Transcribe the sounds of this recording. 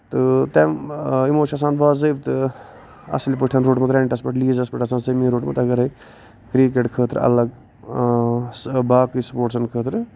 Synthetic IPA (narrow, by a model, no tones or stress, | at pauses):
t̪ɨt̪ɛmimoːʃʰas̬ãːnbaːzəbt̪ɨ | ɐ̰slʲipəʈʰɐnɾoːʈmut̪ɾeːɳʈɐspɐʈliːzɐspəʈasãːnsəmĩːɾoːʈmɨ̰t̪ɐɡɐɾɐi | kɾik̬eʈkʰəːt̪ɾɐ̰lɐɡ | sbaːkɨspoːʈsɐnkʰəːt̪ɾ